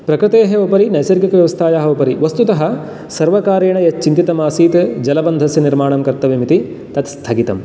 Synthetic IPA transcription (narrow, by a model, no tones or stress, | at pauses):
pɾɐkɾɨt̪eːɦeopɐɾinɐjsɐɾɡɐkɐʋjɐʋɐst̪ʰaːjaːɦɐopɐɾiʋɐst̪ut̪ɐɦɐ | sɐɾʋɐkaːɾeːɳɐjɐt͡ʃint̪it̪ɐmaːsiːt̪d͡ʒɐlɐbɐnd̪ʱɐsjɐniɾmaːɳɐmkɐɾt̪ːɐʋimit̪i | t̪ɐt̪st̪ʰɐɡit̪ɐm